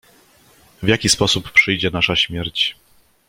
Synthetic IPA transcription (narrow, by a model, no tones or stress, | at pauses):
vʲjakʲispɔsupːʂɘjd͡ʑɛnaʂaɕmʲjɛɾt͡ɕ